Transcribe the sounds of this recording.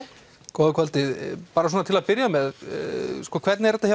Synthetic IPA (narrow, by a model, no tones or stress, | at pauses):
kɔːðɪkʰvɔlt̪ɪpaːɾasɔnat̪ʰɪlaðpɪɾjamɛð | skɔːkʰvɛt̪nɪɛɾɛt̪aça